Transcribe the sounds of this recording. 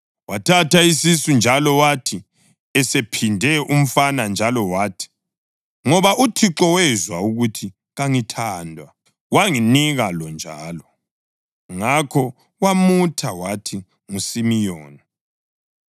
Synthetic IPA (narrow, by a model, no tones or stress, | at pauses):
watʰatʰaisisund͡ʒʱalɔwatʰi | ɛsepʰindʱɛʔum̩fanand͡ʒʱalɔwaːtʰi̥ | ŋɔβaʔutʰiǁɔwɛzwauɣutʰi | ɣaŋitʰaːndʱwa | waŋiniɣalɔnd͡ʒʱaːlɔ | ŋakʰɔ | wamutʰawatʰi | ŋusimijɔːni